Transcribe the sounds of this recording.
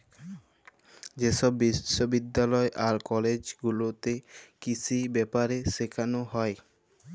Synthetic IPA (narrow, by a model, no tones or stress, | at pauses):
d͡ʑeʃɔbːiʃobid̪ːalɔeʔaɾkɔled͡ʑɡulot̪ekit͡ɕʰibɛpaɾeʃekʰanoɦɔe